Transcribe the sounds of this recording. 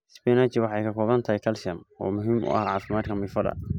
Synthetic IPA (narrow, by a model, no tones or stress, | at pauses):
sbɛnaːt͡ʃɪwɑħɑjkʰɐkʰɔːβɐnt̪ʰɐhijkʰɐlsɐmɔ̰ːmʊɦiːmʊ̰ʔɐ̰hʕɑːfɪmaːd̪kʰɐmɪfɐdɐ̰